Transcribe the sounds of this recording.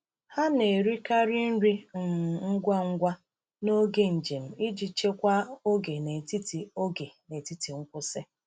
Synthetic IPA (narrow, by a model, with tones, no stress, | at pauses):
ha˦ne˨ɾi˦ka˦ɾi˦n̩˦ɾi˦˨ŋ̩˦ɡʷa˦ŋ̩˦ɡʷa˦ | no˦ɡe˦n̩˨d͡ʒe˨m̩˨i˦d͡ʒi˨t͡ʃe˦kʷa˦o˦ɡe˨ne˨ti˦ti˨o˦ɡe˨ne˨ti˦ti˨ŋ̩˦kʷʊ˦se˦